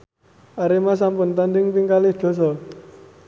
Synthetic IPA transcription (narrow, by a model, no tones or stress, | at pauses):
ʔaɾemas̬ampʊnt̪andɪŋpiŋkalɪhd̪̥ɔ̤s̬ɔ